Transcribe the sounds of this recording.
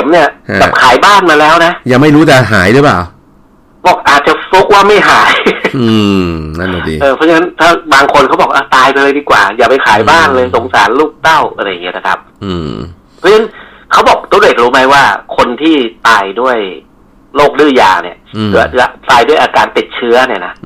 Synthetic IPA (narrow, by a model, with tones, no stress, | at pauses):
e˨˩˦mni˥˩ɐ˧a˨˩p̚kʰaː˩˦jbaː˥˩nmaː˧lɛː˦˥wna˦˥ʔjaː˨˩ŋma˥˩jɾuː˦˥t͡ɕa˨˩ɦaː˩˦jlɯː˨˦pa̰ː˨˩w | bɔː˨˩k̚ʔaː˨˩t̪̚t͡ɕa˨˩fu˦˥k̚waː˥˩ma˥˩jɦaː˩˦jɯ˧na˦˥˩na˨˩dḭː˨˧ʔɤː˧pʰɔ˦˥t͡ɕʰa˧ŋːa˦˥nt̪ʰaː˥˩baː˧ŋkʰo˧nkʰa˦˥wbɔː˨˩k̚ʔaː˧˩t̪aː˧jpe˧laː˧diː˨˩kwa̰ː˨˩jaː˨˩pa˧jkʰaː˨˩˦jbaː˥˩nlɤː˧so˨˩˦ŋsaː˨˩˦nluː˥˩k̚t̪a˥˩wʔa˧ɾa˧ja˨˩ŋːi˦˥ɐ˧na˦˥˩kʰa̰˦˥p̚ʔɯ˧˩ | pʰɔ˦˥a˦a˦˥n | kʰa˦˥wbɔː˨˩k̚t̪u˧˦le˨˩k̚ɾuː˦˥ma˦˥jwaː˥˩kʰo˧nt̪ʰiː˥˩t̪aː˧jdu˥˩əj | loː˥˩k̚dɯː˥˩ja̰ː˨˩nḭ˦˥˩ɐ˩˦˥a˦˨˩t̪aː˧jdu˥˩əjʔaː˧kaː˧nt̪i˨˩t̪̚t͡ɕʰɯ˦˥ɐni˥˩ɐna˦˥ʔ